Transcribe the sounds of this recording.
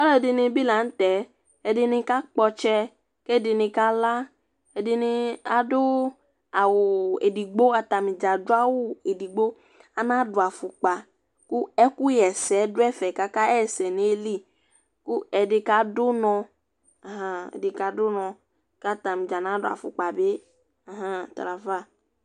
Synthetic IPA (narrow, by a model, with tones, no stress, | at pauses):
ɔ˦lɔ˦e˨dɪ˧nɪ˧bi˦la˨n̩˦t̪ɛ˨˦ | ɛ˨dɪ˧nɪ̃˧ka˦k͡pɔ˧t͡ʃɛ˦ | ke˦˨dɪ˧nɪ̃˧ka˦la˦ | ɛ˨dɪ˧nɪ˧a˨do˦ | a˨wo˨ḛ˨di˨ɡ͡bo˦a˨t̪a˨mĩ˨d͡ʒa˨dʊ˦a˦wo˦e˨di˨ɡ͡bo˦ | a˨nã˦dʊ˨a˨fu˨k͡pa˨ | ku˦ɛ˦ku˦jɛ˨sɛ˨˦do˦ɛ˦fɛ˨ka˦ka˦ɛ˦sɛ˨ne˨˦li˦ | ku˦ɛ˨ɖe˨ka˦do˦nɔ̃˨ | a˨ɦã̰˦˨de˨ka˨do˦nɔ̃˨ | ka˦t̪a˨mĩ˨d͡ʒa˨nã˦ɖo˦a̰˨fṵ˨k͡pa˨be˦ | a˨ɦã˦t̪ɾa˨fa˦